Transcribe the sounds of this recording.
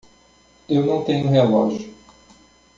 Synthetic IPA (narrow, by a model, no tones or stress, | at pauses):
ewnɐ̃w̃t̪ẽɲʊɦelɔ̰ʒjʊ